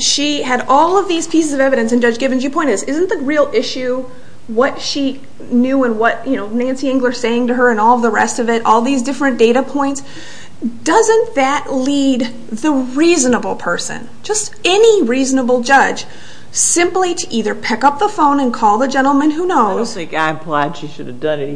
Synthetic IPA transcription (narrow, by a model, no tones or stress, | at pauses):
ʃiɨɾɔlˠʌvðiz̥pʰisɨzʌvɛvɨɾɨ̃nsɨ̃n̩d͡ʒʌd͡ʒɡɪvɨ̃nd͡ʒɨpʰɔ̃ɪ̃nɨzɪz̃n̩ðɨɹilˠɪʃʉ | wʌtʃi | njʉə̃nwʌt̚jɨnoʊnæ̃nsiɪ̃ŋɡlˠə˞seɪɪ̃ŋtɨə˞ɨ̃nɔlˠʌvðəɹɛ̰stʌvɪɾɔ̰lˠðizdɪfɹɨ̃nd̥eɪɾɨpʰɔ̃ɪ̃nts | d̥ʌzɨ̃nðɨtlid̪̚ | ðəɹiznəbl̩ˠpʰɜ˞sɨ̰̃n̥ | d͡ʒ̥ʌst | ɛniɹiznəbl̩ˠd͡ʒʌd̥ʒ̥ | sɪ̃mpliɾɨʔiðə˞pʰɪkʌp̚ðəfõʊ̃nɨ̃nkʰɔlˠðəd͡ʒɛ̃ɾ̃ˡl̩ˠmɨ̃nɦunoʊz̥ɪ̃ŋkã̰ɪ̃mpʰl̥ad̥ʃiʃʊɾɨvdʌ̃nɨ